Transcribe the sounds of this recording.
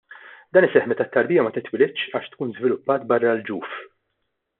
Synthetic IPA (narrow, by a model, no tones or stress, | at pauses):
d̪ɐːnɪsɛħmɛt̪ɐt̪ːɐɾbiːjɐmɐt̪ɪt̪ːwɪlɪtːt͡ʃɐːʃt̪kuːnzvɪlʊpːɐːt̪bɐrːɐld͡ʒuːf